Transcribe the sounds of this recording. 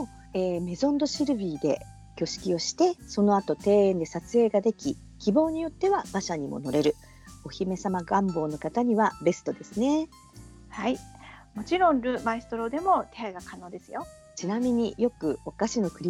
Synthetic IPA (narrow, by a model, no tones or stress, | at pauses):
o | eːme̞zõ̞nd̪o̞ɕiɾɯ̟bʲiːd̪e̞̰ | kʲo̞ɕi̥kʲio̞ɕi̥t̪e̞so̞no̞at̪o̞t̪e̞ːẽnd̪e̞sat͡sɨe̞ːɡad̪e̞kʲi | kʲibo̞ːɲ̟ijo̞t̪ːe̞βab̥aɕaɲ̟imo̞̰no̞ɾe̞ɾɯ̟ | o̞çime̞samaɡãmbo̞ːno̞kat̪aɲ̟iβabe̞sɨ̥t̪o̞d̪e̞sɨne̞ | haimo̞t͡ɕiɾõ̞nɾɯ̟maist̪oɾo̞ːd̪e̞mo̞t̪eaɡakano̞ːd̪e̞sɨjo̞ | t͡ɕinamʲiɲ̟ijo̞kɯ̟okaɕino̞kɯ̟ɾʲi